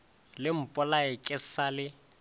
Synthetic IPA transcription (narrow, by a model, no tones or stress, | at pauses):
lɪm̩pʼɔlaɪkʼɪsalɪ